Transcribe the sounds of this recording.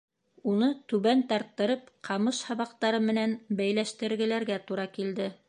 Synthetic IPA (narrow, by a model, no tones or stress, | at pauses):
unɤt̪ʉβænt̪ɑɾt̪ːɤ̆ɾɤpqʰɑmɤʃhɑβɑqt̪ɑɾɤmɘ̆nænbæjlæʃt̪ɘ̆ɾɡɘ̆læɾɡæt̪uɾɑkild̪ɘ